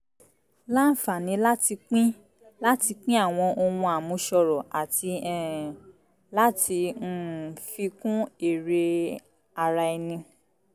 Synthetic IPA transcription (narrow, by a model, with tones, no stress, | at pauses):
la˦n̩˨fa˨nĩ˨˧˦la˦ti˧k͡pĩ˦ | la˦ti˧k͡pĩ˦a˦˨w̃ɔ̃˧ʔo˧wũ˧a˨mũ˨˧ʃɔ˧ɾɔ˨a˨ti˧ɛ˨ | la˦ti˧n̩˦fi˧kũ˦e˨ɾe˧ | a˧ɾa˧ɛ˧nĩ˧